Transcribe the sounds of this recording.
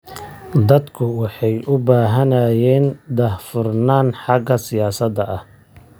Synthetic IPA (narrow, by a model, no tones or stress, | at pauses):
d̪ɐd̪kʰʊwɑħɑjʔʊbaːɦɐnaːjɛːnd̪ɐhfʊrnaːnħɑɡɐsɪjaːsɐd̪ɐʔɐh